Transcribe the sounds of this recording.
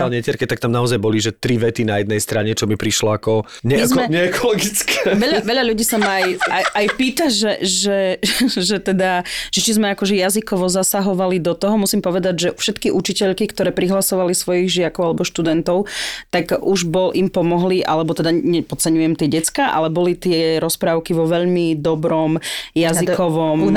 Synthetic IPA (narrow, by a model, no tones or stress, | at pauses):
alɲɛcɛɾkɛt̪ak̚t̪amnaɔzajbɔliʒɛt̪ɾiʋɛt̪inajɛd̪nɛjst̪ɾaɲɛt͡ʃɔmipɾiʃlɔakɔ | ɲɛmizmɛɲɛɛkɔlɔɡit͡skʰɛʋɛʎaʋɛʎaʎuɟiːsamajajajpiːt̪aʒɛʒɛʒɛt̪ɛd̪aʒ̥ɛt͡ʃizmɛakɔʒɛjazikɔʋɔzasaɦɔʋalid̪ɔt̪ɔɦɔmusimpɔʋɛd̪aɟʒɛfʃɛt̪kiʔut͡ʃicɛʎkikt̪ɔɾɛːpɾiɦlasɔʋalisʋɔjiɣʒɪakɔʊalɛbɔʃt̪ud̪ɛnt̪ɔʊt̪aɡuʒbɔlʔimpɔmɔɦliʔa̰lɛbɔt̪ɛd̪aɲɛpɔt͡sɛɲujɛmt̪ɪɛɟɛt͡skaʔa̰lɛbɔlit̪ɪɛɾɔspɾaːʊkiʋɔʋɛʎmid̪ɔbɾɔmjazikɔʋɔm